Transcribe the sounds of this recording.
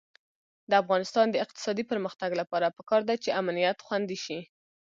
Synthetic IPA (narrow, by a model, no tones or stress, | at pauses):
d̪əafɣɑnɪst̪ɑnd̪əɪq̚t̪ɪ̥sɑd̪ipəɾməxt̪aɡlapɑɾapəkɑɾd̪at͡ʃeamanijat̪xwand̪iʃi